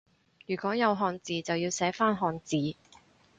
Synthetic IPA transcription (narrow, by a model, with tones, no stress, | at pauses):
jyː˨˩kʷɔː˨˥jɐ˨˧wɦɔː˧nt͡siː˨˧t͡sɐ˨wjiː˧wsɛː˨˥faː˥nɦɔː˧nt͡siː˨